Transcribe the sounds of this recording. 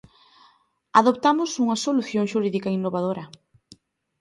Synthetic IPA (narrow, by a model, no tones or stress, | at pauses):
aðop̚t̪amʊsuŋɐsoluθjoŋʃuɾiðikɐinːoβað̞oɾɐ